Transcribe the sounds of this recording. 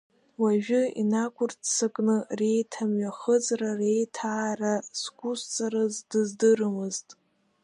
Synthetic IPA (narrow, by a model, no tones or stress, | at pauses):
waʒᶣʊḭnakʷʰʊrtʰsɨkʼnɨre̞jtʰamɥaχəzrare̞jtʰaːraskʷʼust͡sʼaɾɨzdɨzdɨrɨmɨztʼ